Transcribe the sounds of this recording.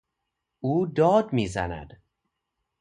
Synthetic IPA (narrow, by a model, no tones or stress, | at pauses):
uːd̪ɒːd̪miːzæ̰næ̰d̪̥